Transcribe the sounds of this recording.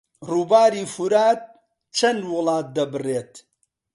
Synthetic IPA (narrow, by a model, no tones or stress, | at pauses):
ruːbaːɾiːfuɾaːt̪̚ | t͡ʃʰɐnwʊlˠɑːt̪̚d̪ɐbɨreːt̪